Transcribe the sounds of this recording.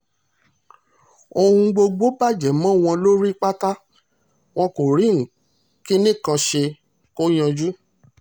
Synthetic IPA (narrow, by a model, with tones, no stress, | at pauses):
o˧hũ˧ɡ͡bo˧ɡ͡bo˨˦ba˦˨d͡ʒɛ˨mã˦˨w̃ɔ̃˧lo˦ɾi˦k͡pa˦ta˦ | w̃ɔ̃˧ko˨ɾi˨˦ŋ̩˨ | ki˦nĩ˦˨kã˧ʃe˧ | ko˦j̃ã˧d͡ʒu˦